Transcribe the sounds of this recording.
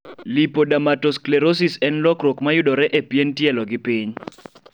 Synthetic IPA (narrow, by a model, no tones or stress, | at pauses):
lipodamatɔsklɛɾos̬isɛnlɔkɾokmajʊdɔɾɛʔepjentjɛlɔɡɪpiɲ